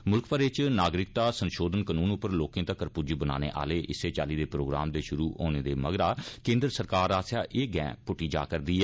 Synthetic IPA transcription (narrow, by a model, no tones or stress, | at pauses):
mʊlkpəɾɪt͡ʃnaːɡɾɪk̚t̪aːsənʃoːd̪ənkənuːnʊpːəɾloːkẽːt̪akəɾpʊd͡ʒəbəna̰ːnḛːʔa̰ːleːʔɪseːt͡ʃa̰ːliːd̪eːpɾoːɡɾa̰ːmd̪eːʃʊɾuːo̰ːneːd̪eːməɡɾaːkẽːnd̪ɾəsəɾkaːɾaːsjaːʔeːɡɛ̰̃ːpʊʈːiːd͡ʒa̰ːkəɾd̪iːɛː